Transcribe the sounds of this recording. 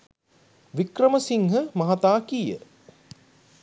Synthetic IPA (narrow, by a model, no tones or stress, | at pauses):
ʋikrəməsiŋɦəmɐɦat̪aːkijə̰